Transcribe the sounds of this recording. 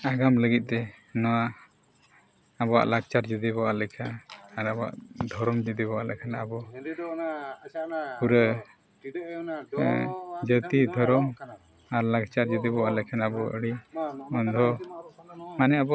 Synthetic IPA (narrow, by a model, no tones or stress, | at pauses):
aɡamləɡit̪̚ˀt̪ɛnɔwa | abɔwa̰ʔlaɡ̚t͡ʃaɾd͡ʒəd̪ibɔwalɛkʰanaɾabɔa̰ʔd̪ʱɔɾɔmd͡ʒəd̪ibɔwaʔlɛkʰana̰bɔ | puɾə | d͡ʒət̪id̪ʱɔɾɔm | aɾlaɡt͡ʃaɾd͡ʒəd̪ibɔwalɛkʰanabɔə̰ɽiɔnd̪ʱɔ | manɛabɔa